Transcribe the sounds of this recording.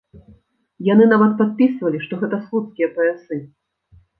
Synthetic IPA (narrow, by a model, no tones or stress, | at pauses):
janɨnavɐt̪̚pat̪̚pʲisvɐlʲiʂt̪ɔɣɛt̪ɐslˠut̪skʲijɐpɐasɨ